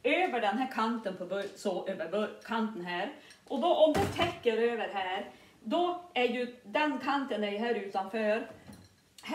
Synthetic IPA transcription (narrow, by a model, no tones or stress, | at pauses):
øːvəɖɛnɦæːɾkʰant̪ənpʰɔbœsɔʔøːvəɾbœɾkʰant̪ənɦæːɾ | ʔɔd̪ɔʔɔmd̪ɵt̪ʰɛkːəɾøːʋəɾɦæːɾ | d̪ɔæɾjʉd̪ɛnkʰant̪ənæɾjɦæːɾʉ̟ːt̪anføːɾ | h